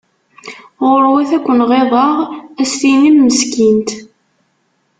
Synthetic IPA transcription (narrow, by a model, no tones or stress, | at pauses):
ʁoɾwæθækʷːənʁeðˤɑʁæst̪inimːəskint̪